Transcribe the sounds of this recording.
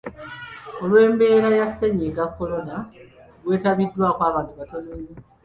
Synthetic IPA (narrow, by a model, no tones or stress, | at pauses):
o̞lwe̞ːmbe̞ːɾajasːeɲeɡakːo̞lo̞na | ɡwe̞ːtaβidːwaːkwaːβaniβato̞neɲe